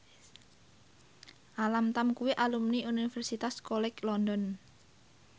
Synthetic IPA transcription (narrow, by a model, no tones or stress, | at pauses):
ʔalamt̪amkuwiʔalumniuniifɛrsit̪askɔlɛklɔndɔn